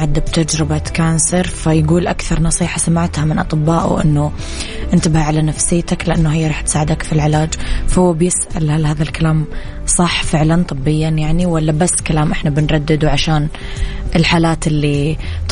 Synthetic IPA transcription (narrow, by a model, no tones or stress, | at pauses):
ʕad̪ːab̚t̪ad͡ʒɾɪbakaːnsɨɾfajɡuːlʔakθɑɾˤnɑsˤiːħɑsamɪʕt̪hamɪnʔɑt̪ˤɨbːaːʔṵʔɪ̰nːʊ | ʔɪnt̪abhaʕalanafsɪjːt̪aklɪʔanːuɦajːaɾˤɑːħt̪saːʕɪd̪akfilʕɪlaːd͡ʒfahʊwːbjɪsʔa̰lhalhaːðalkalaːm | sˤɑħːfɪʕlant̪ˤɨbːɪjːanjaʕniwalːabasːkalaːmʔɪħnabɪnɾˤɑd̪ːɪd̪uʕaʃaːnʔɪlħaːlaːt̪ʔɪlːit̪